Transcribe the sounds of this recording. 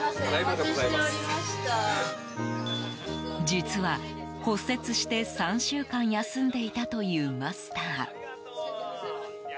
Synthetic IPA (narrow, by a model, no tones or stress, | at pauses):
ɾiaɕa | d͡ʑit͡sɨβa | ko̞se̞t͡sɨɕi̥t̪e̞sãɰ̃ɕɨːkãɰ̃jasɨ̃nd̪e̞it̪at̪o̞jɯ̟ːmasɨ̥t̪aː